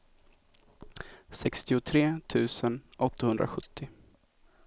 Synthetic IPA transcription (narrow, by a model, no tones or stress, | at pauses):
sɛkst̪ɪʊt̪ʰɾeːt̪ʰʉ̟ːsənʔɔt̪ːahɵnd̪ɾa̰ɧɵt̪ʰːɪ